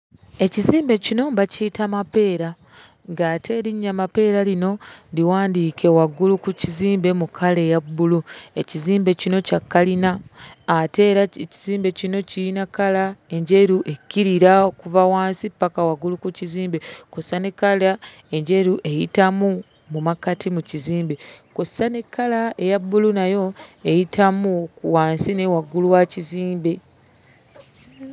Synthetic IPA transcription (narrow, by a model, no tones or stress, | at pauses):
e̞ciziːmbe̞cino̞mbacitamape̞ːɾa | ŋɡatʰe̞ɾiɲːamape̞ːɾalino̞ndiwaːndiːkʰe̞waɡulukuciziːmbe̞mukʰale̞jabːulue̞ciziːmbe̞cino̞cakːalinaː | te̞ɾaciziːmbe̞cino̞ciinakalae̞ɲɟeɾuʔe̞kːiɾiɾakuvawaːnsipːakawaɡulukuciziːmbe̞kosːanekala | e̞ɲɟe̞ɾuʔe̞jitamu | mumakatʰimuciziːmbe̞kusane̞kːalae̞jabːulunajo̞ejitʰamukuwaːnsine̞waɡuluwaciziːmbe̞